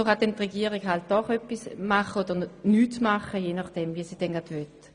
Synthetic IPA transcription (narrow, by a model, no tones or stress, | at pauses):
oχadɛntʁɛɡiəʁiɡɦalt̚d̥ɔχœpːismaχəod̥əʁnyːtmaχəjeːnaχd̥ɛmviəsiːd̥ɛnɡadʋøt